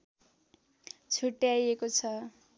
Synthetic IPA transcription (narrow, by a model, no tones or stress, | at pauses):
t͡sʰuʈjajekot͡sʰʌ